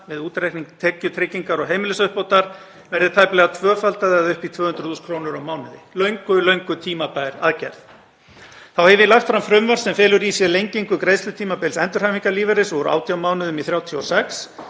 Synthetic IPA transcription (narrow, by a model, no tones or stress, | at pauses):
vɪðuːt̪ɾɛjhkniŋkt̪ʰɛcːʏt̪ʰɾɪcːiŋkaɾɔɣɦeːjmɪlʏsœhpowt̪aɾ̥ | vɛɾðɪɾt̪ʰajplɛɣat̪ʰvœːfalt̪aðɛɣaðʏhpit̪ʰvœːhʏnt̪ɾʏ̥θuːskʰɾoːwnʏɾawmaːwnʏðɪlœɥŋkʏlœɥŋkʏt̪ʰiːmapaːjɾa̰ðcɛ̰ɾð | θawhɛvɪlaxt̪fɾamfɾʏmvan̥sɛmfɛːlʏɾisjɛlejɲciŋkʏkɾejðsʏt̪ʰiːmapɛjlsɛnt̪ʏɾ̥hajviŋkaɾliːvɛɾɪsɔɾʔa̰wt̪ʰjawmaːwnʏðʏmiθɾjaːwt̪ʰjɔsɛks